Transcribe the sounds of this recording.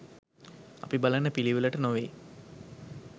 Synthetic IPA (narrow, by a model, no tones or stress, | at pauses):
ɐ̰pibalənːəpiliʋələʈənoʋeː